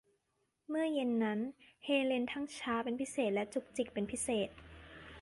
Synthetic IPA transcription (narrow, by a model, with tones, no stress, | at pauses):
mɯ˥˩ɐje˧nːa˦˥nheː˧le˧nt̪ʰa˥˩ŋt͡ɕʰaː˦˥pe˧npʰi˦˥seː˨˩t̪̚lɛ˦˥t͡ɕu˨˩k̚t͡ɕi˨˩k̚pe˧npʰi˦˥seː˨˩t̪̚